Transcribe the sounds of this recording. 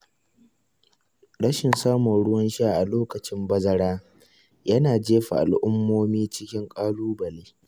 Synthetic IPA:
ɽɐ˦ʃɪ˨nsaː˦mɔ˨nɽʊ˦wɐ˦nʃa˦˨ʔa˨loː˦kɐ˨t͡ʃɪ˦mbɐ˦zɐ˦ɽaː˦ | jɐ˦naː˨d͡ʒeː˦ɸa̰˨ʔa̰˨lʔʊ˦mːoː˦miː˦t͡ʃɪ˦kʲɪ˦ŋkʼaː˦luː˦bɐ˨leː˦

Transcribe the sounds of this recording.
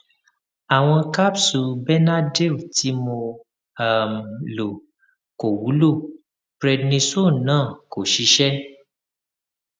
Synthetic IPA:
a˨w̃ɔ̃˧ka˦bsu˨bɛ˦na˦de˦˨ti˧˦mõ˧ | a˨m˨lo˨ | ko˨wu˨˦lo˦˨ | bɾɛ˧dnĩ˧so˦˨nãː˦˨ko˨ʃi˨˦ʃɛ˦

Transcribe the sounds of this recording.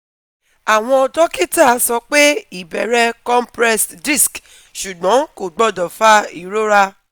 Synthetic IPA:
a˨w̃ɔ̃˧ɔ˧dɔ˦ki˦ta˦˨˧sɔ˧k͡pe˦i˦˨bɛ˨ɾɛ˦kɔ˦mpɾɛ˦sdi˦˨sk | ʃu˨ɡ͡bɔ̃˨˦ko˨ɡ͡bɔ˦dɔ˨fa˦i˨ɾo˦ɾa˧

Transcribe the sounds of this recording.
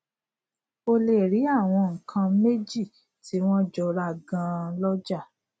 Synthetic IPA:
o˧le˨ɾi˨˦a˦˨w̃ɔ̃˧ŋ̩˨kʰã˧me˦d͡ʒi˦˨ | ti˨˦w̃ɔ̃˦d͡ʒɔ˧ɾa˧˨ɡã˧˦lɔ˦d͡ʒa˦˨

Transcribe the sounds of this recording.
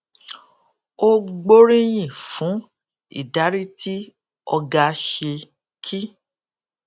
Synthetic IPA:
o˦ɡ͡bo˦ɾĩ˦j̃ĩ˦˨fũ˨˦ | ḭ˦˨da˨˦ɾi˦ti˦ | ɔ˧ɡa˧ʃe˧ | kʰi˦

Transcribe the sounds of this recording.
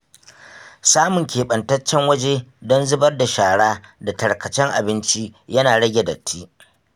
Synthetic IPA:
saː˦mʊ˨ŋkʲʰeː˨ɓɐ˨ntɐ˦t͡ʃːɛ˦ŋwɐ˦d͡ʒe˦dɔ˦nzɪ˦bɐ˦rda˨ʃaː˨ɽaː˦da˨tɐ˨ɽkɐ˨t͡ʃɛ˦ŋʔa̰˨bɪ˦nt͡ʃi˦jɐ˦naː˨ɽɐ˦ɡʲe˨dɐ̰˨tʰːi˦

